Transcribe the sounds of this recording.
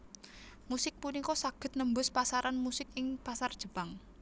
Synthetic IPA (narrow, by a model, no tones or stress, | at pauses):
musɪk̚punikɔsaɡ̥ə̤t̪̚nəmbʊspasaɾanmusɪkɪŋpasard̥ʒ̥ə̤paŋ